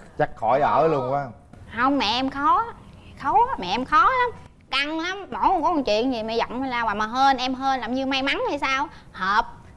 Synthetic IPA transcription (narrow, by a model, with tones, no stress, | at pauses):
t͡ɕa˦˥k̚xɔ˧˩jʔə̰ː˧˩lu˧ənkwaː˦˧ | hə˧wŋ͡mmɛ̰˧˨˩ʔɛ˧mxɔ˨˦xə˨˦wmɛ̰˧˨ʔɛ˧mxɔ˨˦la˨˦m | ka˧ŋla˨˦mmɔ˨˧˩jo˨˦ŋ͡mkɔ˨˦mɔ˨˩t͡ɕwḭ˧˨ənzi˨˩mɛ̰˧˨˩zɔ̰˧˨wŋ͡ma˧˩laː˨˩waː˨˩maː˨˩ɦəː˧nʔɛ˧mɦəː˧nlaː˨˩mɲɨ˧ma˧jma˨˦na˧˩jsaː˧w | həː˨˩p̚